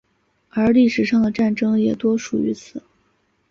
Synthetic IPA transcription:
ə˞˧˥li˥˩ʂɻ̩˨˩ʂɑ˥˩ŋd̪ə˩ʈ͡ʂa˥˩nʈ͡ʂɤ˥ŋjɛ˨˩t̪wɔ˥ʂu˨˩y̰˧˥t͡sʰɹ̩˨˩˦

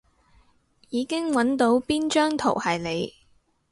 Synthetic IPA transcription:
jiː˨˧kɪ˥ŋwɐ˨˥nt̪o˨˥wpiː˥nt͡ʃœː˥ŋt̪ʰo̰˨˩whɐ˨jle˨˧j

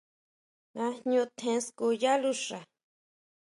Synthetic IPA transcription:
ã˧ɲɲũ˧t̪ʰẽ˧˦sku˧˨ja˦lu˦ʂa˨

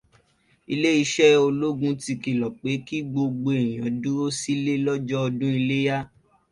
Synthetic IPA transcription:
i˧le˦i˧ʃɛ˦o˧lo˦ɡũ˦ti˧ki˨lɔ˨k͡pe˨˦ki˦ɡ͡bo˧ɡ͡bo˧e˨j̃ã˨˦dũ˦ɾo˦si˦le˦lɔ˦d͡ʒɔ˦ɔ˧dũ˦i˧le˦ja˦

